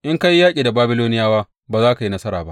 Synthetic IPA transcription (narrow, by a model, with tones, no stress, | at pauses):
ʔɪ˦ŋka˦ji˦jːaː˦kʲʼiː˨da˨baː˦bɪ˦loː˦nɪ˦jaː˦waː˦ | baː˨zaː˦ka˨ji˦nɐ˦sɐ˦ɾa̰ː˨ba˦ʔ